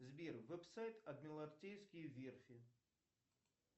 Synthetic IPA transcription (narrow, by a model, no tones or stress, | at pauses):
zbʲervɛpsajt̪ɐd̪mʲɪlˠɐrtʲejskʲɪjəvʲerfʲɪ